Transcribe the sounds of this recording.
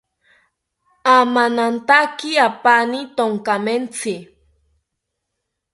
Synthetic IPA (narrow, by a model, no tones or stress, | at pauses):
amanant̪akiapanit̪oŋkament͡sɪ